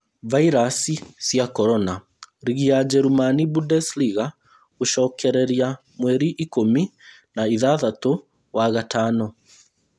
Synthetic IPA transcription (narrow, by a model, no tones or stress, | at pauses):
vaiɾasisjakɔɾɔna | ɾiɣiad͡ʒɛɾumanibudɛsliɣa | oʃɔːkɛɾɛɾia | mwɛɾiʔikomi | naiðaðato | waɣatanɔ